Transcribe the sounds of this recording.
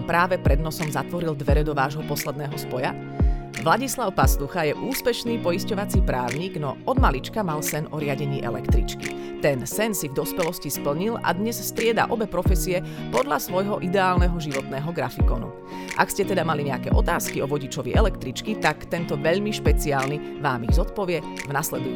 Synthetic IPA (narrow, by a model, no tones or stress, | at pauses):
pɾaːʋɛpɾɛd̪nɔsɔmzat̪ʋɔɾild̪ʋɛɾɛd̪ɔʋaːʒɦɔpɔslɛd̪nɛːɦɔspɔja | ʋlaɟislaʊpast̪uxajɛʔuːspɛʃniːpɔiscɔʋat͡sipɾaːʊɲiːɡnɔ̰ɔd̪malit͡ʃkamalsɛnɔɾɪaɟɛɲiːʔɛ̰lɛ̰kt̪ɾḭt͡ʃki | t̪ɛnsɛnsivd̪ɔspɛlɔscispl̩ɲila̰d̪ɲɛsst̪ɾɪɛd̪a̰ʔɔbɛpɾɔfɛsiɛ | pɔd̪ʎasʋɔjɦɔʔid̪ɛaːlnɛɦɔʒiʋɔt̪nɛːɦɔɡɾa̰fikɔ̰nṵ | ʔa̰kscɛt̪ɛd̪amaliɲɛakɛ̰ːʔɔt̪aːskiɔʋɔɟit͡ʃɔʋḭʔɛlɛkt̪ɾit͡ʃkit̪akt̪ɛnt̪ɔʋɛʎmiʃpɛt͡siaːlni | ʋaːmiɣzɔt̪̚pɔʋɪɛvnaslɛd̪u